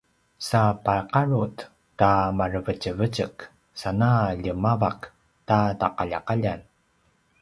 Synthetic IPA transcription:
sapaqaɹut | tamarəvəcəvəcək | sanaʎəmavak | tataqaʎa̰qaʎan

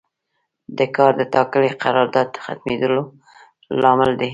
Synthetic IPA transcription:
d̪əkɑɾd̪ət̪ɑkəɽeqaɾɑɾd̪ɑd̪̚əxa̰t̪med̪əlo | lɑmɪld̪e

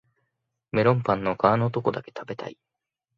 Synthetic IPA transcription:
me̞ɾõ̞mpãnːo̞kaːno̞ːt̪oko̞d̪ake̞̥t̪ʰabe̞t̪a̰i

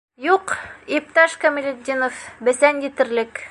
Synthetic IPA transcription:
juqip̚t̪ɑʃkomʲɪlʲed̪ʲinofbɘ̆sænjɘ̆t̪ɘ̆ɾlɘk

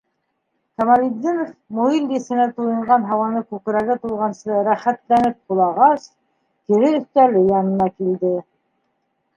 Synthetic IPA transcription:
kɑmalʲid̪ʲːinofmuilbɘsɘ̆næt̪ujɤ̆ɴɢɑnɦɑwɑnɤkʉkɘ̆ɾæɣɘt̪ulˠʁɑnsɤɾæχæt̪lænɘp̚qulˠɑʁɑs | kɘ̆ɾɘɵ̆θt̪ælɘjɑnɤ̆nɑkild̪ɘ

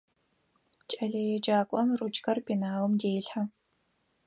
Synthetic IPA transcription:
t͡ʃʼɐɮɐjɛd͡ʒaːkʷʼɔmrut͡ʃʰʼkɐrbinaːlɨmdeːjɬħa

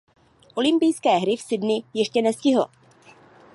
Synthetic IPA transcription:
ʔo̞lɪmpɪjskɛːɦɾɪfsɪdnɪjɛʃcɛnɛscɪɦlo̰

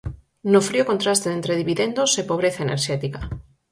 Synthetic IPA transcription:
nofɾiokont̪ɾast̪eent̪ɾeðiβiðend̪osepoβ̞ɾeθaenʔeɾʃɛt̪ika

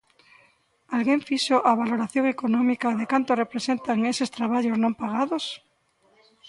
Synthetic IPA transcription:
alɣeɱfiʃoʔaβ̞aloɾaθjõŋekonɔmikaðekant̪orepɾesent̪aŋesest̪ɾaβaʎoznõmpaɣ̞aðos

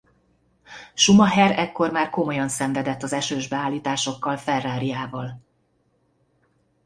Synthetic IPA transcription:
ʃumɒɦɛɾɛkːo̞rmaːrko̞mo̞jɒnsɛɱvɛd̪ɛt̪ːɒzɛʃøːʒbɛaːlːiːt̪aːʃo̞kːɒlfɛrːaːɾijaːvɒl

